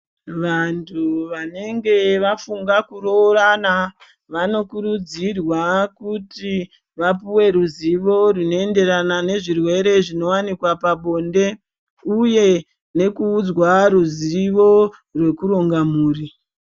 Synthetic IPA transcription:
ʋantʰuʋane̞ŋɡe̞ʋafuŋɡakuɾorana | ʋano̞kuɾud͡zirwakuti | ʋapuwe̞ɾuziʋo̞rino̞ende̞ɾanane̞ʐirwe̞ɾe̞ʐino̞wanikwapaɓo̞nde̞ | uje̞ | ne̞kuːd͡zwaɾuziʋo̞ | rwe̞kuɾo̞ŋɡamuːri

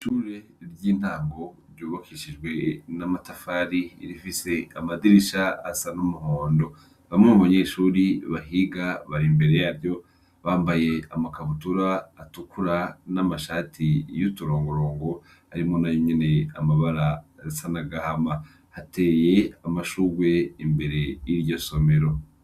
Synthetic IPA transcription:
ʃuːɾe̞ɾɟiːn̥aːŋɡo̞ɾjuːβakʰiʃid͡ʒɡwe̞namatafaɾḭːɾifise̞amadiɾiʃaa̰sanumuhoːndo̞ | βaimŋemuβaɲe̞ʃuːɾiβaɦiɡaβaɾimbe̞ɾe̞jaɾjo̞ | βaːmbaje̞amakaβutuɾaːtukuɾanamaʃaːtʰijutuɾo̞ːŋɡoɾoːŋɡo̞ | aɾimo̞najoɲene̞a̰maβaɾaɾisanaɡahama | hate̞ːje̞amaʃuɾwe̞imbe̞ɾe̞iɾjo̞so̞me̞ɾo̞

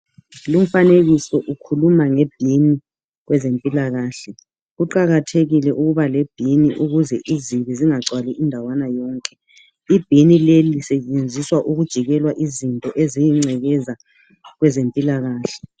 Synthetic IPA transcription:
lum̩faneɣisɔʔukʰulumaŋɛb̥ʱini | ɣwɛzempʼilaɣaːɬɛ | ɣuǃaɣatʰeɣilɛʔuɣuβalɛb̥ʱiniʔuɣuzɛʔiziβiziŋaǀwaliʔindʱawanajɔːŋkʼɛ | ib̥ʱinilelisɛt͡ʃʼend͡zʱiswaʔuɣud̥ʒ̥ʱiɣɛlwaʔizintʼɔʔezijiŋ͡ǀʱɛɣɛza | ɣwɛzempʼilaɣaːɬɛ̥

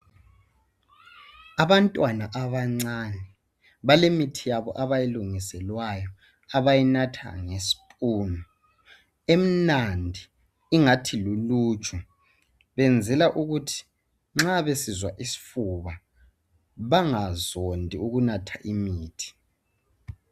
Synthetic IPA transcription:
aβantʼwanaʔaβaŋ͡ǀaːnɛ | βalemitʰijaβɔʔaβajeluŋisɛlwajɔ | aβajinatʰa̰ŋesi̥pʼuːnɔ | em̩nandʱi | iŋatʰiluluːt͡ʃʰʼɔ | βɛnd͡zʱɛlaʔuɣutʰi̥ | ŋ͡ǁaβesizwaʔisi̥fuβa | βaŋazondʱiuɣunatʰaʔimiːtʰi̥

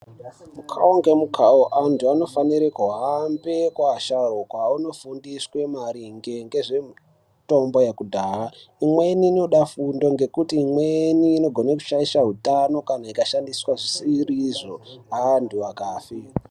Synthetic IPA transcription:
mukʰa̰oŋɡemukʰaoʔantuano̞faniɾekuɦambe̞kwaːʃarokwauno̞fundiswe̞maɾiŋɡe̞ŋɡe̞ʐe̞m | to̞mbo̞jekudʱaːaimwe̞niːno̞ɗafundo̞ŋɡe̞kutiːmweniːno̞ɡʱo̞naku̥ʃaisaɦutano̞kanaikaʃandiswaʐisiriʐo̞ɦaːntuakaːfi

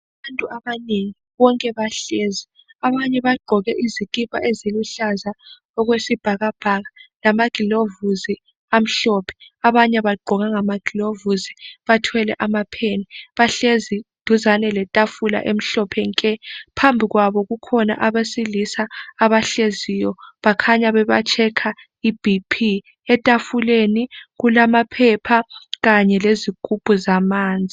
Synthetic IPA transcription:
aβantʼuaβaneŋiβɔŋkʼɛβaɬezi | aβaɲɛβaɡ͡ǃʱɔɣɛʔizikʼipʼa̰ʔeziluɬaza | ɔɣwesib̥ʱaɣab̥ʱaɣalamaɡ̥ʱilovuzi | am̩ɬɔpʰɛ̥aβaɲɛβaɡ͡ǃʱɔɣaŋamaɡ̥ʱilovuziβatʰwɛlɛ̰ʔamapʰeniβaɬezid̥ʱuzanɛlɛtʼafula̰ʔem̩ɬɔpʰɛŋkʼɛpʰambʱiɣwaβɔɣukʰɔna̰ʔaβesilisaːβaɬezijɔβakʰaɲaβɛβat͡ʃʼʰɛkʰa | ib̥ʱipʰi | ɛtʼafuleniɣulamapʰɛpʰaɣaɲɛlezikʼupʼuzamaːnd͡zʱi

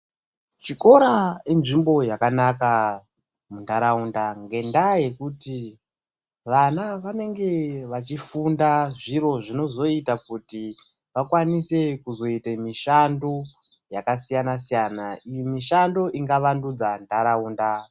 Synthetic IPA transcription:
t͡ʃiko̞ɾaenʐimbo̞jakanaka | mundaɾaundaŋɡe̞ndaje̞kuti | ʋanaʋane̞ŋɡe̞ʋat͡ʃifundaʐiro̞ʐino̞zo̞itakuti | ʋakwanise̞kuzo̞itemiʃandojakasijanasijanaimiʃando̞ʔiŋɡaʋandud͡zandaɾauːnda

